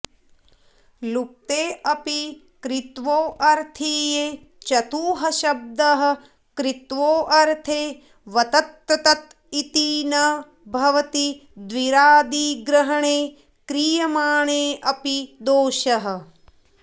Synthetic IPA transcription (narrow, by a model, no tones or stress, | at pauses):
luk̚t̪eːɐpi | kɾit̪ʋoːʔɐɾt̪ʰiːjeː | t͡ʃɐt̪uːɦɐʃɐb̚d̪ɐɦɐ̆ | kɾit̪ʋoːʔɐɾt̪ʰeː | ʋɐt̪ɐt̪ːɾɐt̪ɐt̪ | it̪iːnɐ | bʱɐʋɐt̪id̪ʋiɾaːd̪iɡɾɐɦɐɳeː | kɾijɐmaːɳeːʔɐpid̪oːʃɐɦɐ̆